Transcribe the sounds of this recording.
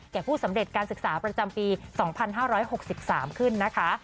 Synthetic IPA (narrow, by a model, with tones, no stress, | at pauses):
kɛː˨˩pʰuː˥˩sa˩˦mde˨˩t̪̚kaː˧nsɯ˨˩k̚saː˩˦pɾa˧t͡ɕa˧mpiː˧sɔː˩˦ŋpʰa˧nɦaː˥˩ɾɔː˦˥jho˨˩k̚si˨˩p̚saː˩˦mkʰɯ˥˩nːa˦˥kʰa˦˥